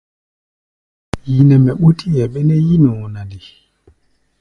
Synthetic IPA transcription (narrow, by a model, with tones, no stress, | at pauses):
ji˨nɛ˨mɛ˨ɓu˦tʰi˦jɛ˨ɓɛ˦nɛ˦ji˦no˨na˨di˨